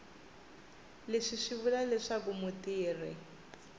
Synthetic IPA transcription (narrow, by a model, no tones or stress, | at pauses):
leʂiʂiβulalɪʂakumutiːri